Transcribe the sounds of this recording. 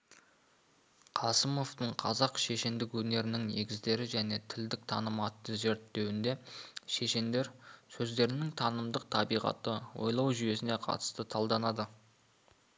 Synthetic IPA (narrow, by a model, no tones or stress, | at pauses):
qʰɑsəmo̞ft̪əɴqʰɑzɑqʃe̞ʃend̪ɪkwɵne̞ɾɪnɪŋne̞ɡʲɪzd̪e̞ɾɪʒæne̞t̪ʰɪld̪ɪk̚t̪ʰɑ̰nəmɑt̪ːəʒe̞ɾt̪ːe̞wɪnd̪e̞ʃe̞ʃend̪e̞ɾsɵzd̪e̞ɾɪnɪŋt̪ʰɑnəmd̪əq̚t̪ʰɑbijʁɑ̰t̪əwo̰jlˠɑwʒyje̞sɪne̞qʰɑ̰t̪ə̥st̪ət̪ʰɑlˠd̪ɑnɑd̪ə